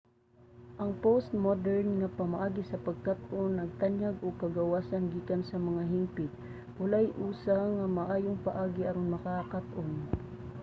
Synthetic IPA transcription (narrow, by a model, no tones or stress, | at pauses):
ʔɐŋpost̪̚mod̪ɛɹnŋɐpɐmaʔaːɡɪsɐpɐɡ̚kat̪ʔonːɐɡ̚t̪anjaɡʔokɐɡɐwaːsɐnɡiːkansɐmɐŋaɦɪmpɪt̪̚ | wʊlajʔuːsaŋɐmɐʔaːjoŋpɐʔaːɡɪʔɐɾonmɐkakat̪ʔon